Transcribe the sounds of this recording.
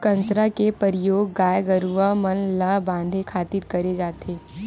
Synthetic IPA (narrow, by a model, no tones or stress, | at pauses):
kɐ̃nsɾakepəɾɪjoːɡːaːjɡəɾuʋamənlabãːnd̪ʱekʰaːt̪ɪtkɐɾed͡ʒaːt̪ʰeː